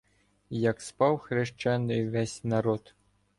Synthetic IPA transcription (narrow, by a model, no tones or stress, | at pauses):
jɐkspɑwxɾeʃt͡ʃanːɨjʋɛsʲnaɾɔt̪